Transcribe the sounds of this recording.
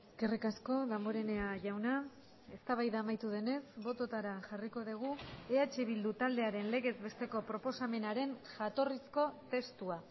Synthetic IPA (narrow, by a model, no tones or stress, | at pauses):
eske̞rikasko̞ðamoɾe̞ne̞aʝawna | e̞st̪aβ̞ajðaːmajt̪uð̞e̞ne̞sbo̞t̪o̞t̪aɾaʝariko̞ðiɣ̞ue̞at͡ʃe̞β̞ild̪ut̪ald̪e̞aɾe̞nle̞ɣe̞zβe̞st̪eko̞pɾo̞po̞same̞naɾe̞nʝat̪o̞risko̞t̪e̞st̪ua